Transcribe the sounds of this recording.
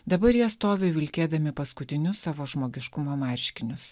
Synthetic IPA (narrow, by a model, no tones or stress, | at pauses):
d̪ɐbɐɾjiɛst̪oːʋʲeʋʲɪlʲkʲeːd̪ɐmʲɪpɐskʊt̪ʲɪnʲʊsːɑːʋoːʒmoːɡʲɪʃkʊmoːmɐɾʲʃʲkʲɪnʲʊs